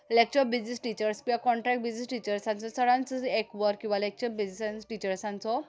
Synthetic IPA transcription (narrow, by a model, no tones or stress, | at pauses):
lek̚t͡ʃɔɾbizisʈit͡ʃəɾskiakɔɳʈɾɛk̚ʈ̚bizisʈit͡ʃəɾsansɔsəɽansekbɔɾkːiwbalek̚t͡ʃɔɾbizisansʈit͡ʃəɾsansɔ